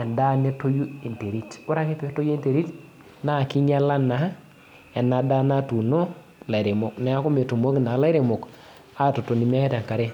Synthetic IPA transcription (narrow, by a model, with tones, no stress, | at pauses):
a˨nda˦ne˦to˦ju˦e˨nte˨ɾi˦tʊ˦ɾa˦ke˦pe˦to˦je˦nte˨ɾi˦t | na˦˨kɪ˦ɲa˦la˦na˨˦ | ɛ˨na˨da˦na˦tu˨no˦ | la˨ɾe˨mɔ˨knɛ˨˦a˦kʊ˦me˨to˨mo˦kna˨˦la˦ɾe˨mo˨k | a˦to˨to˨ni˨m˦a˦ta˨ŋka˨ɾe˦